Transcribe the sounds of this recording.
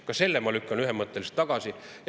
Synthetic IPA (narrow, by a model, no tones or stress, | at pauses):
kɑse̞lːemɑlykːɑnyɦemːɤt̪ːˑelist̪ːɑɡ̥ɑsijɑ